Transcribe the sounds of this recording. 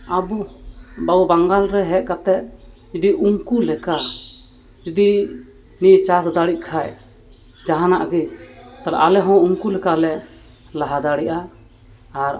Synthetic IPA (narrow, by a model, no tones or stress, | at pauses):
abubaubaŋɡalɾɛɦɛʔ̚kat̪ɛt̪̚d͡ʒud̪iʔuŋkulɛka | d͡ʒud̪i | niʔt͡ʃasd̪aɽiʔ̚kʰaj | d͡ʒaɦanaʔɡit̪ala̰ʔalɛɦɔ̃uŋkulɛkalɛ | laɦad̪aɽiʔaː | ɾ